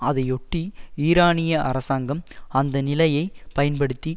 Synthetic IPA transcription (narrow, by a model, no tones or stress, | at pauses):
ɐðɐɪɔʈːiiːɾaːɳɪjɐʔɐ̰ɾɐsaːŋɡɐmɐnd̪ɐnɪlɐjɐɪpɐjɐnpɐɽɯt̪ːi